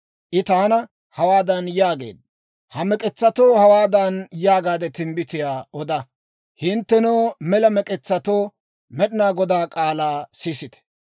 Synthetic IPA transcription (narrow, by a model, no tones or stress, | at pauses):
ʔɪt̪aːnɐ | hɐwaːd̪ɐnjaːɡḛːd̪̚ | hɐmɛkʼɛt͡sːɐt̪oːhɐwaːd̪ɐnjaːɡaːd̪ɛt̪ɪmbɪt̪ɪjaːɔd̪ɐ | hɪnt̪ːɛnoːmɛlɐmɛkʼɛt͡sːɐt̪oː | mɛɗɪnaːɡɔd̪aːkʼaːlaːsiːsɪt̪ɛ̥